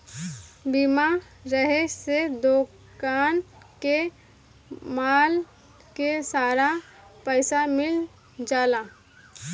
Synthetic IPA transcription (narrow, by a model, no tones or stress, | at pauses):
bimaɾəɦesed̪oː | kaːnke | maːl | kesaːɾa | pəɪsamɪl | d͡ʒaːla